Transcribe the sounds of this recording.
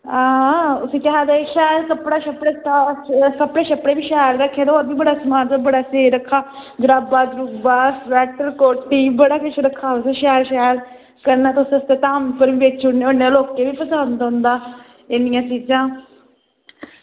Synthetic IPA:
aʊsẽːkɛɦaːd̪aːeʃɛːɾkəpɽaːʃəpɽeːst̪aːkəpɽeːʃəpɽeːbiːʃɛːɾːəkʰːeːd̪od̪iːbəɽaːsmaːndabəɽaːseːɾəkʰːaːɡɾaːbaːd̪ɾukbaːsɾɛːʈəɾkoːʈːiːbəɽaːkʊt͡ʃʰɾəkʰːaːsẽːʃɛːɾʃɛːɾ | kəɾnãːt̪ːʊsẽst̪eːt̪aːmpəɾʋiːʋeːt͡ʃt͡ʃʊɽneːonealoːkːeːbiːpəsand̪ʊ̃nd̪aː | ɪnɪjãːt͡ʃiːd͡ʒãː

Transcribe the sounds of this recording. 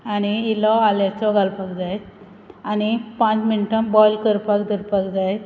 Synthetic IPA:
añiilɔaljat͡sɔɡʱalpakd͡zajt̪ | añipãt͡sminʈə̃mbɔjlkəɾpakd̪əɾpakd͡zajt̪

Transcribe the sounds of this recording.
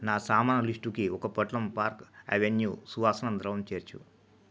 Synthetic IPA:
naːsaːmaːnɐliʂʈukiɔkɐpɐʈlɐmpaːɾkḛʋenjuːsuʋaːsɐnɐnd̪ɾɐʋɐmt͡ʃeːɾt͡ʃṵ

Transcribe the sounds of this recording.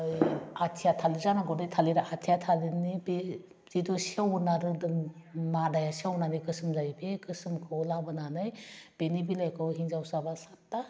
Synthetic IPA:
jatʰijatʰalizanaɡɔdajtʰaliɾaatʰijatʰalinibe | z̥idɔsiawunaɾɯdɯmmadajasiawnanikɯsɯmzajbekʰɯsɯmkʰɯwlabɯnanɯjb̥enibilajkʰɯwɦiŋzawsabasatːa

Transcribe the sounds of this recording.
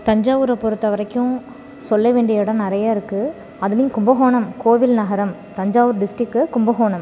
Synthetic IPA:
t̪ɐɲd͡ʒaːʋɯɾɐpɔɾɯt̪ːɐʋɐɾɐkːʊ̃ | sɔlːɐʋeːɳɖɪjɐʋɪɽɐ̃nɪɾɐjaːɪɾɯkːɯ | ɐðɪlɐjʊ̃kʊmbɐɣoːɳɐmkoːʋɪlnɐɣɐɾɐm | t̪ɐɲd͡ʒaːʋɯɾɖɪsʈɪkːɯkʊmbɐɣoːɳɐm

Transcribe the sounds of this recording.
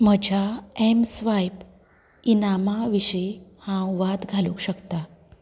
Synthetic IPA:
məd͡ʑʱaemsʋajp | inamaʋiɕəjhãwʋat̪ɡʱalukɕəkt̪a

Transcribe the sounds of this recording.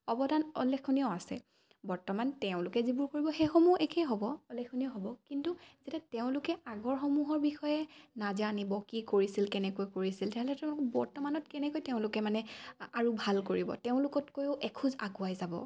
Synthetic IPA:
ɔbɔdanɔ̰lːexʰonijɔasɛ̰ | bɔɹtɔmantɛʊ̃lʊkɛzibuɹkoɹibɔxejxɔmuekʰɛɦɔbɔɔlːekʰːonijɔɦɔbɔkintuzetateʊ̃lʊkɛaɡɔɹxɔmuɦɔɹbixɔjɛnazanibɔkikoɹisilkɛnɛkojkoɹisiltaɹɦɛlɛtɛʊ̃lʊkɔbɔɹtɔmanɔtkɛnɛkojteʊ̃lʊkɛmanɛaɹubʱalkoɹibɔ̰teʊ̃lʊkɔtkojʊʔɛkʰuza̰ɡʊajzabɔ̰

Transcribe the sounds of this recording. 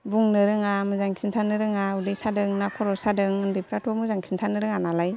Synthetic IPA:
buŋnɯɾɯŋamɯzaŋsintʰanɯɾɯŋaudejsadɯŋnakʰɔɾɔsadɯŋɯndepʰɾatʰɔmɯzaŋsʰintʰanɯɾɯŋanalaj

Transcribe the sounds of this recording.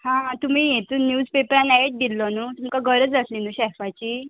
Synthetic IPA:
hãt̪um̤ijet̪unjuːd͡zpepɾanɛʈ̚d̪ilːɔnut̪umkaɡʱəɾəd͡zəslinuːɕɛfat͡ɕiː

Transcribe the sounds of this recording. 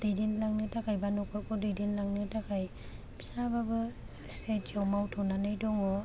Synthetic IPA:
didinlaŋnitakajbanɔkʰɔkɔdidinlaŋnɯtakʰaj | bi̥sababɯ | setd͡ʒawmawtʰɔnanɯjdɔŋɔ

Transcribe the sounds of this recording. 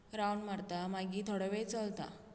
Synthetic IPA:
ɾawɳmaɾt̪amaɡiːt̪ʰɔɽəʋet͡səlt̪a̰

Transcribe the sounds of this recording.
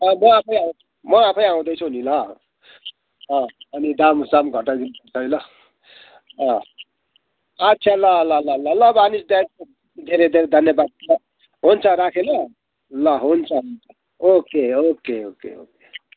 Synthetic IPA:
ʌmʌapʰʌj̃aw̃ | mʌapʰʌjaw̃d̪ʌjt͡sʰunilʌ | ʌ̃ʌnid̪amsamɡʱʌʈaɡ̪inbʌt͡sʰʌjlʌ | ʌ | atːsʰalʌlʌlʌlʌlʌbanisd̪a | d̪ʱeɾed̪ʱeɾed̪ʱʌnjʌbad̪̚lʌ | ɦunt͡sʰʌɾakʰelʌ | lʌɦunt͡sʰʌɦunt͡sʰʌ | okeokeokḛo̰ke

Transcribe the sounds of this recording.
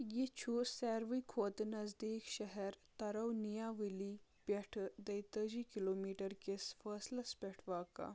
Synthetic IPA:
jit͡ɕʰusɛɾʋikʰot̪nɐd͡zd̪ikɕəɦɛɾt̪ɐɾəwnijaʋilipʲeʈʰd̪əjt̪əd͡ʑikilomiʈəɾkesfəslɐspʲɛʈʰʋaka̰

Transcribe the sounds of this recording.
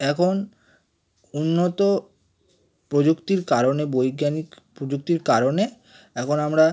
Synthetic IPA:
ɛkʰon | unːot̪o | pɾod͡ʑukt̪iɾkaɾonebojɡjanikpɾod͡ʑuk̚t̪iɾkaɾone | ɛkʰonamɾa

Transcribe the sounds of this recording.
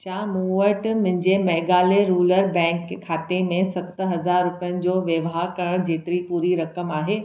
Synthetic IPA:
t͡ɕãːmuːʋəɾʈmʊ̃ɦɪ̃ɲd͡ʑemeːɡaːleɾuːləɾbɛ̃ːŋkkʰːaːt̪emẽsɐkt̪ɦɐzaːɾːʊpɪjənɪ̆d͡ʑoːʋjɐʋɦaːkɐɾəɽ̃d͡ʑeːt̪ɪɾipuːɾiɾɐkəmaːɦeː

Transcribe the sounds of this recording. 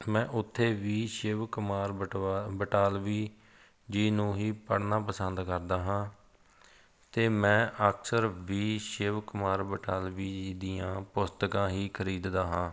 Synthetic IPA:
mɛ̃ːʔʊt̪ʰːeːʋiːʃɪʋkʊmaːɾbəʈaːlʋiː | d͡ʒiːnũːɦiːpəɽnaːpəsənd̪kəɾd̪aːɦãː | t̪eːmɛ̃ːʔəksəɾʋiːʃɪʋkʊmaːɾbəʈaːlʋiːd͡ʒiːd̪iːjãːpʊst̪əkãːɦiːkʰəɾiːd̪d̪aːɦãː

